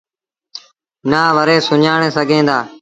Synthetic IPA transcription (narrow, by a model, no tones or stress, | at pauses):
naːʋəɾeːsʊɲaːɳ̃eːsəɡʱẽːd̪aː